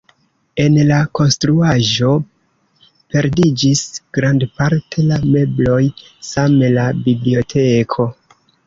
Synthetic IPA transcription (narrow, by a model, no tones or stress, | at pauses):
e̞nlako̞nstɾuaʒo̞ | pe̞ɾdid͡ʒisɡ̥ɾandpaɾtʰe̞lame̞blo̞j | samelabiblio̞tʰe̞kʰo̞